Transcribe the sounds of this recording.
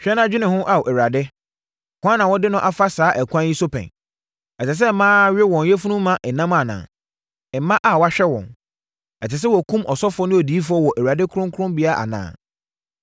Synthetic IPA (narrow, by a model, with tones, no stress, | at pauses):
ɕᶣɛ˦nã˦d͡ʑᶣɪ˦nɪ̃˨hʊ̃˦ʔa˨wɔ˨ʔæ˨wa˨dɪ˦˨ | kʊ˦ã˦nã˨wɔ˦dɪ˦nʊ̃˦ʔa˦fa˦saː˨˦ʔæ˨kʷʰã˦ji˦so˦pʰɛ̰̃˨n | ɛ˨ɛ˨s̬ɛ˦˨mãː˦ɥɛ˦wɔ̃˨njɛ˦fu˦nʊ̃˦mː˦ã˦ʔɛ˨nːã˦ma˨nã̰ː˨ | ɛ˨˦mã˦ʔa˨wɔ˦a˦ɕᶣɛ˦wɔ̰̃˨n | ɛ˨t͡sɪ˨s̬ɛ˦wɔ˨kʰũ˦mʔɔ˨sɔ˦fʊ˨ɔ˦nʊ̃˦o˨di˨˦fʊ˨˦ɔ˦wɔ˨ʔæ˨wɥa˨dɪ˦kʰʊ˦ɾʊ̃˦ŋkʰʊ˦ɾʊ̃˦mbi˨˦a˦ʔa̰˨nã̰ː˨